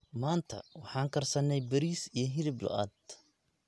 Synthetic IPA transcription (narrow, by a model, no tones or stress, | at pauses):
maːnt̪ʰɐ̰wɑħɑːŋkʰɐrsɐnɛjbɐɾiːsijɞɦɪɾɪblɔ̰ʔa̰ːd̪